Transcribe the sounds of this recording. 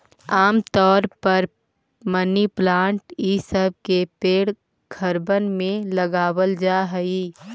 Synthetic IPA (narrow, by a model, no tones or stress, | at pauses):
aːmt̪ɔːɾpɐɾ | məniplãːɳʈiːsəb̚kepeːɽ | ɡʱɐɾbənmẽlɐɡaːwəld͡ʒaːɦəiː